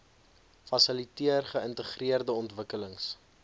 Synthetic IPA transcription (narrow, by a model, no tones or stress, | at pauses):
fɐsəlitiərχəəntəχriərdəɔntvəkələŋs